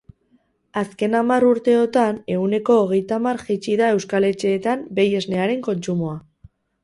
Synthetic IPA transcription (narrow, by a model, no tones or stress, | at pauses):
aske̞namaruɾt̪e̞o̞t̪ane̞une̞ko̞ːɣ̞e̞jt̪amaɾʝit͡ʃiðae̞wskale̞t͡ʃe̞ːt̪ambe̞je̞zne̞aɾe̞ŋko̞nt͡ʃumo̞a